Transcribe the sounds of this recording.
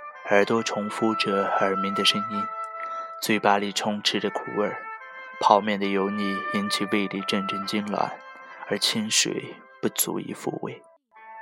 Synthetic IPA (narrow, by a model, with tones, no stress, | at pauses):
ə˞˨˧˩t̪wɔ˥ʈ͡ʂʰʊ˧˥ŋfu˥ʈ͡ʂɤ˧˥ə˞˨˩mi˧˥ŋd̪ə˨ʂə˥ŋi˥nt͡swe˥˩ɪpa˥li˥˩ʈ͡ʂʰʊ˥ŋʈ͡ʂʰɻ̩˥də˨kʰṵ˨˩ə˞˥˩ | pʰɑ˨˧˥ʊmjɛ˥˩nd̪ə˩jo˧˥ʊni˥˧˩i˧˥nt͡ɕʰi˨˩we˥˧ɪli˧˩ʈ͡ʂə˥˧nʈ͡ʂə˥˩nt͡ɕi˥nlwa̰˧˥nə˞˧˥t͡ɕʰi˥nʂwḛ˨˩ɪ | pu˥˩t͡sṵ˧˥ḭ˧˥˦fṵ˥˧wḛ˥˩ɪ